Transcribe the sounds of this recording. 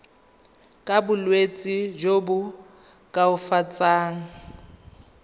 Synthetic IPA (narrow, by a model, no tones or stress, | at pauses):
kʼabʊlwet͡sʼid͡ʒobʊ | kʼaʊfat͡sʼaːŋ̩